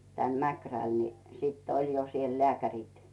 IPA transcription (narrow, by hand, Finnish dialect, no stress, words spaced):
tæn mækræl ni siːtː olʲ jo siel leækærʲit